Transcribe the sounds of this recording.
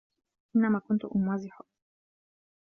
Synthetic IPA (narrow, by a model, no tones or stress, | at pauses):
ʔɪnːæmakʊnt̪ʊʔʊmwaːziħoʔ